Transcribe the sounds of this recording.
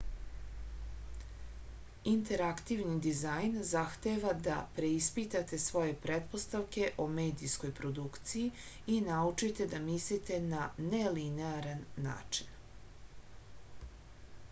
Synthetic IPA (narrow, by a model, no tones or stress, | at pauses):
int̪e̞ɾakt̪iʋnid̪izajnzaxt̪eʋad̪a̰pɾe̞ispit̪at̪e̞sʋo̞je̞pɾet̪po̞st̪aʋke̞ʔome̞ːd̪isko̞jpɾo̞d̪ukt̪siji | inaut͡ʂit̪e̞d̪amislit̪e̞nanelineaɾanːa̰ːt͡ʂi̥n